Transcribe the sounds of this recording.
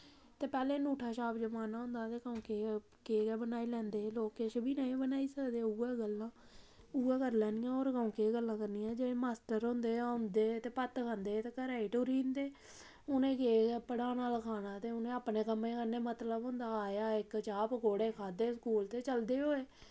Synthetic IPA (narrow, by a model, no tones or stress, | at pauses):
t̪eːpɛːlẽːnuːʈʰaːʃaːbd͡ʒəmaːnaːɦʊ̃nd̪aːt̪eːkəũːkeː | keːɡɛːbənaːiːlɛ̃ːnd̪eːloːkeːt͡ʃbʱiːnaːĩbənaːiːsəkd̪eːuːɛːɡəlːãː | uːɛːkəɾlɛ̃ːnɪjãːoːɾkəũːkeːɡəlːãːkəɾniːãːd͡ʒeẽːmaːsʈəɾõnd̪eːʊ̃nd̪eːt̪eːpət̪kʰãːnd̪eːt̪eːkəɾaːiʈoːɾiːnd̪eː | ʊnẽːkeːɡɛːpəɽaːnaːləkʰaːnaːt̪eːʊnẽːəpneːkəmːẽːkəɾneːmət̪ləbɦʊ̃nd̪aːaːjaːɪkt͡ʃaːpkoːɽeːkʰaːd̪eːskuːlt̪eːt͡ʃəld̪eːɦoːeː